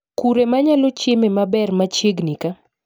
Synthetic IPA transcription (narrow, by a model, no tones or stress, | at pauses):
kuɾemaɲalot͡ʃjememabɛrmat͡ʃjeɡnika